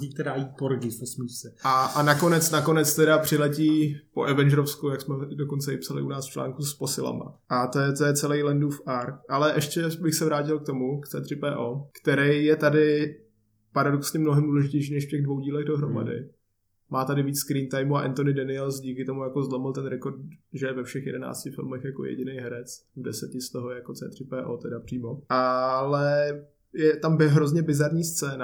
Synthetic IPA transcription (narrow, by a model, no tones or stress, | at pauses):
ziːt̪ɛdajiːt̪̚poɾɡɪfosmiːsɛʔaanako̞nɛt͡snako̞nɛt͡st̪ɛdapr̥ɪlɛciːpo̞̰ʔɛvɛnd͡ʒɛɾofskujaksmɛdo̞ko̞nt͡sɛɪpsalɪ̰ʔunaːsft͡ʃla̰ːŋkuspo̞sɪla̰ma̰ʔat̪ojɛt̪ojɛt͡sɛlɛjlɛnduːfaɾkʔalɛʔɛʃcɛbɪxsɛvɾaːc̬ɪlk̚t̪o̞mukt͡sɛ̰ːt̪r̥ɪpɛːʔoːkt̪ɛɾɛjjɛt̪adɪ | paɾadoksɲɛmnoɦɛmduːlɛʒɪcɛjʃ̬iːnɛʃfcɛɣdvo̞wɟiːlɛɣdo̞ɦɾo̞ma̰dɪ̰ | maːt̪adɪviːt͡sskɾiːnt̪ajmuaʔɛ̰nt̪onɪdanɪɛlsɟiːkɪt̪o̞mujakozlomɪlt̪ɛnɾɛko̞rt̪̚ʒɛjɛvɛfʃɛxjɛ̰dɛna̰ːt͡scɪfɪ̰lmɛxjako̞̰jɛ̰ɟɪnejɦɛɾɛt͡svdɛsɛcɪst̪oɦojɛjakot͡sɛ̰ːt̪r̥ɪpɛːʔoːt̪ɛdapr̥iːmo̞ʔalɛ | jɛt̪ambɪɦɾozɲɛbɪzaɾɲiːst͡sɛːna